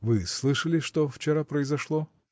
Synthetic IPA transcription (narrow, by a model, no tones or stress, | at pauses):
vɨslˠɨʂəlʲɪʂt̪oft͡ɕɪɾapɾəɪzɐʂlˠo